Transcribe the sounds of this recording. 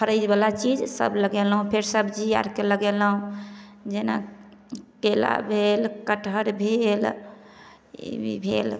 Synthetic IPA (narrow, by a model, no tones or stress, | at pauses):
pʰəɾəjd͡ʒbalat͡ʃid͡ʒsə̰bləɡelɦũpʰeɾsəbd͡ʒia̰ɾkeləɡelɦũd͡ʒena̰ | kela̰bʱelkəʈʰəɾbʱel | ḭbʱḛl